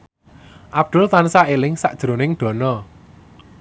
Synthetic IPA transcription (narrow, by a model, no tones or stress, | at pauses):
ʔab̚d̪̥ʊ̤lt̪ansaelɪŋsaʔd̥ʒ̥ɾo̤nɪŋɖ̪̥ɔ̤nɔ